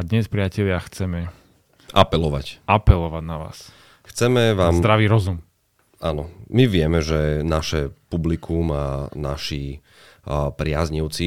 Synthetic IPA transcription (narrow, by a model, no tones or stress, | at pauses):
d̪ɲɛspɾɪacɛʎɪaxt͡sɛmɛ | ʔapɛlɔʋacapɛlɔʋaɟnaʋa̰ːs | xt͡sɛmɛʋaːzmd̪ɾaʋiɾɔzum | anɔmiʋɪɛmɛʒɛnaʃɛpublikʰumanaʃiː | pɾɪazɲiʊt͡si